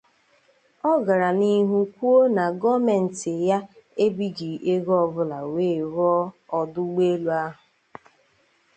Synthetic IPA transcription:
ɔ˦ɡa˨ɾa˨ni˦ɦu˦kʷu˦o˦na˨ɡɔ˦me˨n̩˨tɪ˨ja˦e˦bi˦d͡ʒi˨ʔe˦ɡɔ˦bʊ˦la˨weː˦˨ɾɔ˦ɔ˨dʊ˦ɡ͡be˦lu˦a˦ɦʊ˨

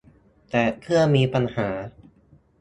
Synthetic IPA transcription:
t̪ɛː˨˩kʰɯ˥˩əmiː˧pa˧nhaː˩˦

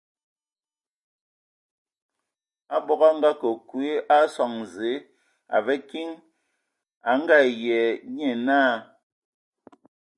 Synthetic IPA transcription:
a˦bɔ˦˨ɣa˦ŋ˦ɡa˦kɔ˨kwe˦a˦sɔ˨ŋ˨ze˨˦ | a̰˨vɛ˦ki˦ŋ | a˨ŋ̩˦ɡa˦˨jɛ˨ɲɛ˨naː˦˨

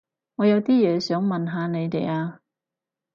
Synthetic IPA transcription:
ŋɔː˨˧jɐ˨˧wt̪iː˥jɛː˨˧sœː˨˥ŋmɐ˨nɦaː˨˧ne˨˧jt̪e˨˩jaː˧

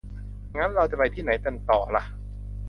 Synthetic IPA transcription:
ŋa˦˥nɾa˧wt͡ɕa˨˩pa˧jt̪ʰiː˥˩na˩˦jt̪e˧nt̪ɔː˨˩la˧˩ʔ

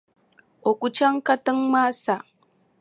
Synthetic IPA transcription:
ʔo˨kʷu˦t͡ʃa˦ŋka˦tɨ˦ŋma˦sa˨

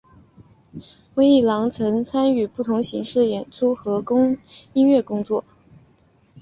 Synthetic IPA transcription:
we˥ɪi˥˩lɑ˧˥ŋt͡sʰɤ˧˥ŋt͡sʰa˥ny˨˩pu˥˩t̪ʰʊ˧˥ŋɕi˧˥ŋʂɻ̩˥˩jɛ˨˩nt͡sʰu˥xɤ˧˥kʊ˥ŋi˥nɥɛ˥˩kʊ˥ŋt͡swɔ˥˩

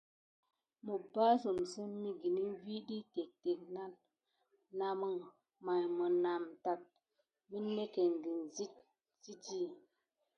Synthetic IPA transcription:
mə˨ba˦su˨msə˦mmi˦ɡi˨ni˦vi˦ɗi˦te˨k̚te˨k̚na˦nː | a˨mə˦ŋ | ma˨jmə˨na˨mta˨t̚ | mi˦nːe˦ke˨ŋ˨ɡi˨nzi˦t̚ | si˦ti˦˨

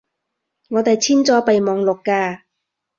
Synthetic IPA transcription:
ŋɔː˨˧t̪ɛː˨˩t͡ɕʰiː˥˩nt͡sɔː˧˥pa˧˩jmɔː˨˧ŋlo˨˩kkaː˧˩

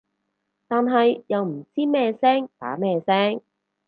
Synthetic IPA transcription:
t̪aː˨˧nɦɐ˨jjɐ˨wm̩˨˩t͡siː˥mɛː˥˧sɛː˥ŋt̪a̰ː˨˥mɛː˥˧sɛː˥ŋ

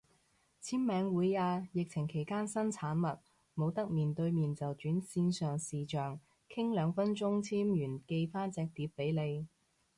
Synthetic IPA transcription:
t͡sʰiː˥mmɛː˨˧ŋwuː˨˧˥jaː˧jɪ˨k̚t͡sʰɪ˨˩ŋkʰe˨˩jkaː˥nsɐ˥nt͡sʰaː˨˥nmɐ˨t̚ | mo˨˧wt̪ɐ˥k̚miː˨nt̪ɵ˧ɥmiː˨nt͡sɐ˨wt͡ʃyː˨˥nsiː˧nsœː˨ŋsiː˨˩t͡ʃœː˨ŋ | kʰɪ˥ŋlœː˨˧ŋfɐ˥nt͡ʃʊ˥ŋt͡sʰiː˥mjyː˨˩nke˧jfaː˥nt͡sɛː˧k̚t̪iː˨˥p̚ːe˨˥jle˨˧j

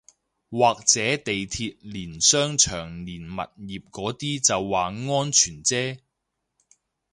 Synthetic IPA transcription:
waː˨k̚t͡sɛː˨˥t̪e˨jt̪ʰiː˧t̚liː˨˩nsœː˥ŋt͡ʃʰœː˨˩ŋliː˨˩nmɐ̰˨t̚jiː˨p̚kɔː˨˥t̪iː˥t͡sɐ˨wːaː˨ŋɔː˥nt͡ʃʰyː˨˩nt͡sɛː˥

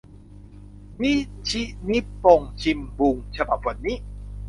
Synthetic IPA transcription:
niː˥˩˨t͡ɕʰi˦˥ʔni˦˥pːo˧ŋt͡ɕʰi˧mbu˧ŋt͡ɕʰa˧ba˨˩p̚wa˧nːiː˦˥

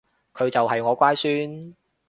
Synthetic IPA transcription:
kʰɵ˨˧ɥt͡sɐ˨wɦɐ˨jŋɔː˨˧kʷaː˥jsyː˥n

